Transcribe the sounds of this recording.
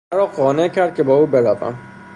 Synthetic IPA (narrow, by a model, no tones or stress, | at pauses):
æɾɒːɢɒːne̞cʰæɾd̪̚cʰe̞bɒːuːbe̞ɾæbæ̰m